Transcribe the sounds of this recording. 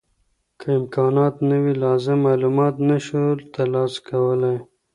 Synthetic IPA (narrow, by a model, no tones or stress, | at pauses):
kʰəɪmkɑːnɑːt̪nəwilɑzɪmːɑːlumɑt̪naʃult̪alɑskʰawəlaj